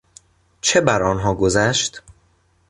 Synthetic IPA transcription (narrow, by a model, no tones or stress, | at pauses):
t͡ʃʰe̞bæɾɒːnɦɒːɡo̞zæʃt̪